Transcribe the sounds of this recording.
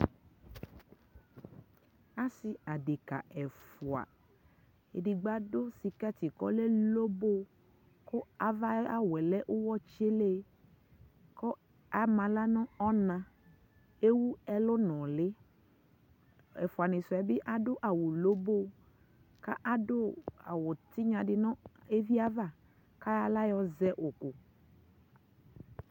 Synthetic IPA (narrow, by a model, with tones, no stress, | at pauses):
a˦si˨a˨de˨ka̰˨ɛ˨fu˨a̰˨ | e˨ɖi˨ɡ͡ba˦do˦si˨kɛ˦t̪i˨kɔ˦le˦lo˦bo˦˨ | ko˦a˨va˦a˦wɛ˨lɛ˦ʔo˦wɔ˦t͡ʃe˦le˦ | kɔ˦ | a˨mã˨la˦nɔ̃˦ɔ˦nã˨ | e˦wu˦ɛ˦lo˦nɔ̃˨le˦ | ɛ̰˨fʊ˨a˨nɪ̃˨sɔ˨ɛ˨˦bɪ˦ʔa˦dʊ˦ʔa˨wo˨lo˦bo˦ | ka̰˦ʔa˦do˦a̰˨wo˨t̪i˦ɲã˨dɪ˨nɔ̃˦e˦vi˦a˦va˦˨ | ka˦ja˨la˦jɔ˦zɛ˦ʔo˨kʊ˨